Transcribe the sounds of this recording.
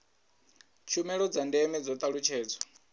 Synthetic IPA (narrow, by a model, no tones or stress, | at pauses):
t͡ʃʰumɛɺɔd͡zandɛmɛd͡zɔt̪ʼaɺut͡ʃʰɛːd͡zɔ